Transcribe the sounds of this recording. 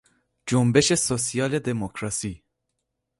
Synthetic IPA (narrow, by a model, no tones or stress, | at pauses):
d͡ʒombeʃesosijɑːled̪emokʰɾɑsi